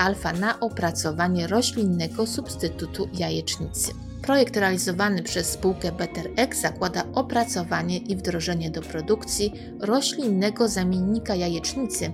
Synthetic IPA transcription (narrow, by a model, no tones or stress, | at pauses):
alfanaʔɔpɾat̪sɔvaɲɛɾɔɕlʲinːɛɡɔsupst̪ɘt̪ut̪ujajɛt͡ʂɲit̪sɘ̥ | pɾɔjɛkt̪ɾɛalʲizɔvanɘpʂɛsːpuwkɛbɛt̪ɛɾɛkz̥akwad̪aʔɔpɾat̪sɔvaɲɛʔivd̪ɾɔʐɛɲɛd̪ɔpɾɔd̪ukt̪sʲji | ɾɔɕlʲinːɛɡɔzamʲjeɲːikajajɛt͡ʂɲit̪sɘ